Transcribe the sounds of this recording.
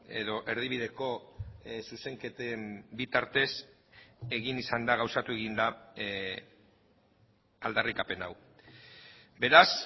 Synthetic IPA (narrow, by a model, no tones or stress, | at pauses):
e̞̰ðo̞ʔe̞ɾðiβiðe̞ko̞suse̞ŋke̞t̪embit̪aɾt̪e̞s | e̞ɣinisand̪aɣawsat̪ue̞ɣind̪a | ald̪arikape̞naw | be̞ɾas